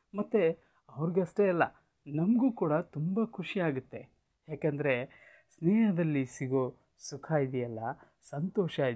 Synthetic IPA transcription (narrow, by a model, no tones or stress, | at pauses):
mɐt̪ːe | ɐʋɐɾɡeɐʂʈeɐlːɐ̰ | nɐmɡuːkuːɽɐt̪umbɐkʰuʂijaːɡut̪ːe̞ | haːkend̪ɐɾe̞ | snɛːɦɐd̪ɐlːisiɡo | sukʰaːjid̪ijɐlːɐ | sɐnt̪ɔːʃa